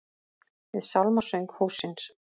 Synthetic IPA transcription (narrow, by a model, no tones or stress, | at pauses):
vɪðsawlmasœɥŋkhuːsːɪns